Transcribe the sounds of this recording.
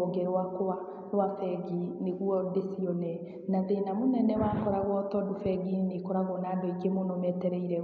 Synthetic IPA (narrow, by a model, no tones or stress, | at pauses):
oɡɛɾwakoa | ɾwafɛɡineɣwɔdesiɔnɛ | naðenamonɛnɛwaːkɔɾaɣwɔtɔdofɛɡinikɔɾaɣɔnaːdɔikemonɔmɛtɛɾɛiɾɛ